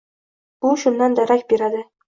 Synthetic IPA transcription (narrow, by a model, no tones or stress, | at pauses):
bʊʃʊndːand̪aɾakʲbeɾad̪ɪ